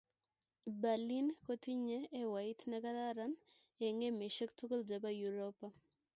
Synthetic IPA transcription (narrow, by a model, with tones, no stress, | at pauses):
ba˨li˦nko˦t̪i˦ɲe˦e˦wa˨ɪ˦tnɛ˦ka˦ɾa˦ɾa˦n | e˨ŋe˦me˨ʃe˦ktu˦ko˦ld͡ʒa˨ba˦ju˨ɾo˦pa˦